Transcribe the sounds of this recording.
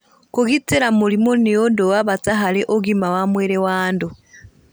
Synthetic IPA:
koɣiteɾamulimonejodowaβat͡saɦaleʔoɡimawamweɾewaːndo

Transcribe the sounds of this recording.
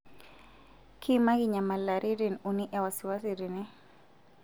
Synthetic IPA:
kʰimakiɲamalaɾʔiɾinuniʔɛwasiwasiɾini

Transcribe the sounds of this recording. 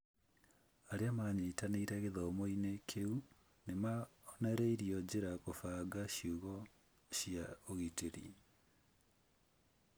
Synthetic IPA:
aɾeamaɲeitaneiɾɛɣeðɔmoinekʰeu | nemaɔnɛɾeiɾiɔd͡ʑeɾakofaːɡaɕjoɣɔ | ɕiaoɣiteɾḭ

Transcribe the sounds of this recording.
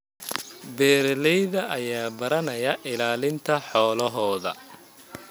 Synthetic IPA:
bɛːɾlɛjðɐʔɐjaːbɐɾɐnɐjɐʔɪlaːlɪnt̪ʰɐħɔːlɐɦɔːðɐ̰

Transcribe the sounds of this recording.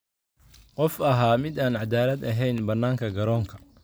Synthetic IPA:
qɔfɐɦaːmɪd̪aːnʕad̪aːlɐd̪ɐɦɛjnbɐnːaːŋkʰɐɡɐɾɔːŋkʰɐ

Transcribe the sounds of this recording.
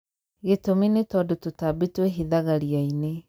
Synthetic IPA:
ɣetominetɔdototabitweɦiðaɣaɾiaine

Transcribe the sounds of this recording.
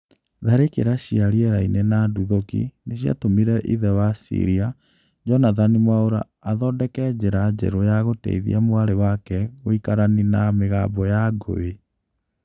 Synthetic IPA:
ðaɾekḛɾaɕiaɾiɛɾainɛnaduðokḭneɕja̰tomiɾɛʔiðɛwasḭɾia | d͡ʒɔnaðanimwaoɾa̰ː | ðɔːdɛkɛd͡ʑɛɾad͡ʑɛ̰ɾojaɣotɛ̰iðḭamwaɾewakɛoikaɾaninameɣaːbɔjaɡo̰we

